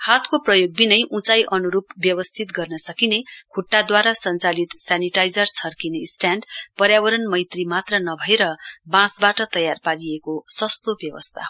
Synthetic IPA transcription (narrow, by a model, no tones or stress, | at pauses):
hat̪koprʌjoɡ̚binʌjʔũt͡sajʔʌnuɾupbjʌbʌst̪ʰit̪ɡʌrnʌsʌkinekʰuʈːad̪waɾasʌnt͡salit̪saniʈajd͡zʌrt͡sʰʌrkinesʈjanɖpʌɾjabʌɾʌnmʌjt̪rimat̪rʌnʌbʱʌeɾʌbãsbaʈʌt̪ʌjarpaɾiekosʌst̪objʌbʌ̰st̪ʰa